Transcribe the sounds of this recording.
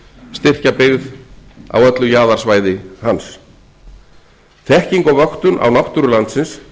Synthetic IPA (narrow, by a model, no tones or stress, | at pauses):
st̪ɪr̥capɪɣða̰wœt̪lʏjaːðaɾ̥svaːjðɪhans | θɛhciŋkɔvœxt̪ʏnʔa̰wnaht̪ʏɾʏlant̪sɪns